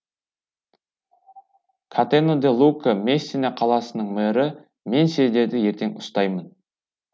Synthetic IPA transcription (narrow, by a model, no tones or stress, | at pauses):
kʰat̪enod̪elˠukəmesʲːinaqʰɑlˠɑsənəɴmæɾɪ | me̞nse̞zd̪e̞ɾd̪ɪje̞ɾt̪e̞ŋʊst̪ɑjmən